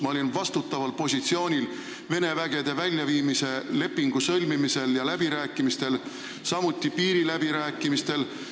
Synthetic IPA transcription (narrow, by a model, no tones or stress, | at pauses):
mɑo̞linvɑst̪ut̪ːˑɑvɑlpo̞sʲit̪sio̞ːnʲil | ve̞ne̞væɡ̥e̞d̪̥e̞vælʲjɑviːmise̞le̞pːiŋɡ̥usɤ̞lʲmimise̞ljɑlæb̥iɾæːkːˑimist̪e̞l | sɑmut̪ʲːˑipiːɾilæb̥iɾæːkːˑimist̪e̞l